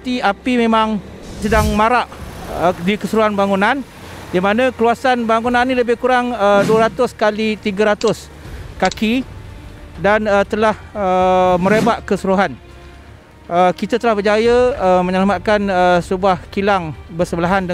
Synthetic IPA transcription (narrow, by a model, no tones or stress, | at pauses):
t̪iapimẽmãŋ | sədaŋmaɾaʔədikəsuɾuɦanbaŋunan | dimanãkəluasanbaŋunanːĩləbɪhkuɾaŋəduəɾat̪ʊskalit̪iɡəɾat̪ʊs | kaki | danət̪əlahəmə̃ɾebaʔkəsuɾuɦan | əkit̪at̪əlahbərd͡ʒajəəməɲalamat̪̚kanəsəbuahkilaŋbəsəbəlaɦandə